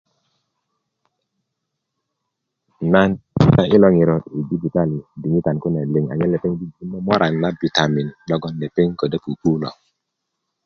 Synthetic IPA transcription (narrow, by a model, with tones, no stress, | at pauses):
na˦n˨ta˦ʔi˦lɔ˦ŋi˨ɾɔ˨i˨di˦d͡ʒi˨ta˦li˨di˨ɲi˦ta˨nku˦ne˨li˨ŋa̰˨ɲe˦le˨pe˦ŋbi˦d͡ʒi˦nːɔ˦mɔ˦ɾʔa˨nːa˦bi˨ta˨mi˨nlɔ˦ɡɔ˦nle˨pe˦ŋko˨de˦ku˨ku˦lɔ̰˨